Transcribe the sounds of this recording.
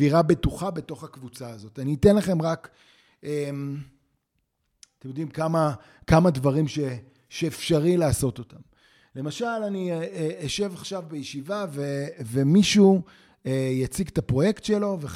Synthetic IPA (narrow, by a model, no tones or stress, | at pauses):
viʁabe̞tuχabe̞to̞χakvut͡saːzo̞taniːtenlaχe̞mʁak | em | t̪emjo̞d̪imkama | kamadvaʁimʃe | ʃeːfʃaʁilaːso̞t̪o̞tam | le̞maʃalanieʃe̞vaχʃavbejeʃivavevemiʃu | ejat͡siɡt̪apʁo̞je̞ktʃelo̞ve